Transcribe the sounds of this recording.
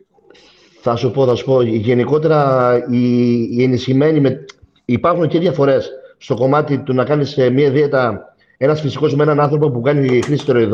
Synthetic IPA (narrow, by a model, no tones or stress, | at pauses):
θɐsupo̞θɐsu̥po̞ʝe̞niko̞t̪e̞ɾɐienisçime̞nime | ipɐɾxunceðʝɐfo̞ɾe̞sːt̪o̞ko̞mɐt̪it̪unɐkɐnismiɐiðiet̪ɐ | e̞nɐsfisi̥ko̞zmeenɐnɐnθɾo̞po̞pukɐnixɾisi̥t̪e̞ɾoiðo